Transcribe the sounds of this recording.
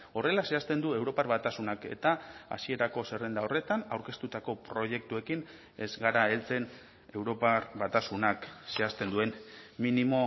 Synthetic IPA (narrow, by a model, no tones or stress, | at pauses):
o̞re̞lase̞ast̪e̞nd̪ue̞wɾo̞parβat̪asunake̞̰t̪aa̰sie̞ɾako̞se̞re̞nd̪ao̞re̞t̪anawɾke̞st̪ut̪ako̞pɾo̞ʝe̞k̚t̪ue̞kin | e̞zɡaɾae̞lt͡se̞n | e̞wɾo̞parβat̪asunakse̞ast̪e̞nd̪ue̞nminimo̞